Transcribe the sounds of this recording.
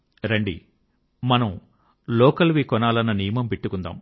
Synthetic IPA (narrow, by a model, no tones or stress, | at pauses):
ɾɐɳɖḭ | mɐnɐm | lɔːkɐlʋikɔnaːlɐnːɐnijɐmɐmpeʈːukund̪a̰ːm